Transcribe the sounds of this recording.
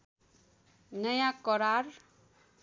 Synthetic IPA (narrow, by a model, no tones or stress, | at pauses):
nʌjãkʌɾar